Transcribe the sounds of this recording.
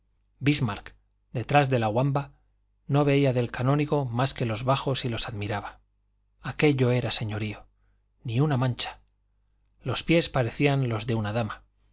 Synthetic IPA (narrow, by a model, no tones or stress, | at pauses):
bizmaɾk | d̪e̞t̪ɾazðe̞laɣwamba | no̞βe̞iaðe̞lkanõ̞niɣo̞maske̞lo̞zβaχo̞silo̞saðmiɾaβa | ake̞ʎo̞e̞ɾase̞ɲo̞ɾio̞ | niunamãnt͡ʃḁ | lo̞spje̞spaɾe̞θianlo̞zðe̞unaðama